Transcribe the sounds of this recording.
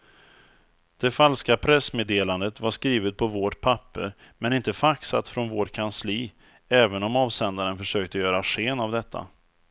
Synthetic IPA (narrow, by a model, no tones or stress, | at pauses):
d̪̥ɛfalskapʰɾɛsmeːd̪eːland̪ət̪vaʂkɾiːvət̪̚pʰɔvɔʈpʰapːə̰ɾ | mɛnɪnt̪əfaksa̰t̪fɾɔnvoːʈkʰansliː | ɛːvənɔmɑːvsɛnd̪aɾənfœʂøːk̚t̪əjœːɾaɧeːnavd̪ɛt̪ʰːa̰